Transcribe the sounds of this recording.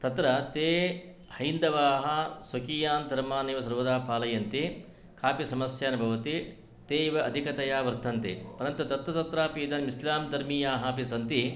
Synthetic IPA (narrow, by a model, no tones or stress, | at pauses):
t̪ɐt̪ɾɐt̪eː | hɐnd̪ɐʋaːɦɐsokijaːnd̪ʱɐɾmaːneːʋɐsɐɾʋɐd̪aːpaːlɐjɐnt̪i | kʰaːpisɐmɐsjaːnɐbʱɐʋɐt̪i | t̪eːiʋɐɐd̪ʱikɐt̪ɐjaːʋɐɾt̪ʰɐnt̪ḛpɐɾɐnt̪ɐt̪ɐt̪ɾɐt̪ɐt̪ɾaːpiːd̪ɐnmislaːmd̪ɐɾmijaːɦɐpisɐnt̪i